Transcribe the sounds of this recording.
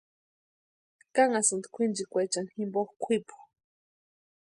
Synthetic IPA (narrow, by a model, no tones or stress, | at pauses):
kaŋasɨnd̪kʷʰind͡ʒikʷajt͡ʃaŋximboxkʷʰipu̥